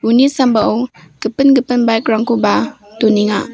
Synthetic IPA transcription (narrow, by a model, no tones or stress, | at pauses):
unisambaʔow | ɡ̥əpənɡəpənbajkɾaŋkuba | toniŋa